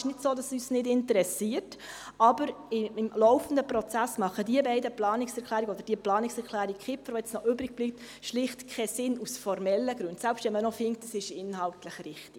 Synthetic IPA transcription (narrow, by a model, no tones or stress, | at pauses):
ʃnɪdsoːdɑsyːsnɪdɪntəɾɛsiərt | ɑb̥əɾ | ɪɪmlɔʊfən̩dəpɾɔt͡sæsmɑχədiəbɛɪdəplɑːnɪksɛɾkʰlæːɾiɡəɔd̪əɾd̥iəplɑːnɪksɛɾkʰlæːɾikχɪpfəɾʋojɛt͡snɔʔʏbɾɪɡ̥̚b̥liːp̚t̪ | ʃlɪχtkʰχɛsɪnusfɔɾmɛlːəɡɾʉnd̥sælpʃtʋɛnmənɔfɪŋktːɑsɪʃɪnɦɑltləχrɪχti̥